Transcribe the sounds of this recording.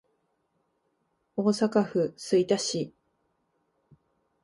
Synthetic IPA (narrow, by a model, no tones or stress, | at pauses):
o̞ːsakaɸɯ̟sɨit̪aɕi